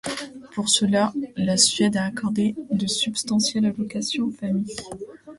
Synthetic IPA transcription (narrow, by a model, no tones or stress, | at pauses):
puʁsəlalasɥɛd̪aːkɔʁd̪ed̪əsybst̪ɑ̃sjɛlalɔkasjɔ̃famij